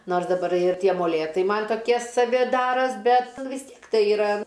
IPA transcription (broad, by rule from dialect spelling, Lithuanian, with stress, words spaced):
ˈnoːrs dɐˈbɐr ɪr ˈtʲiɛ moːˈlʲeːtɐɪ ˈmɐnʲ toːˈkʲiɛ sɐˈʋʲɪ ˈdɑːroːs ˈbʲɛt ʋʲɪs ˈtʲiɛk ˈtɐɪ ɪˈrɐ